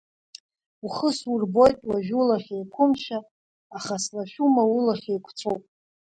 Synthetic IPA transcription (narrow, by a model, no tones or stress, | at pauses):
uχəsurbo̞jtʼwaʒᶣulaχʲajkʷʰʊmʃaː | χaslaʃᶣumawulaχʲejkʷʰt͡sʰowpʼ